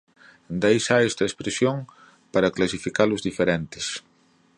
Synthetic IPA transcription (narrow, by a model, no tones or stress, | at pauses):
nd̪ejsaɛst̪ɐespɾesjoŋ | paɾɐklasifikalʊzðifeɾent̪ɪ̥s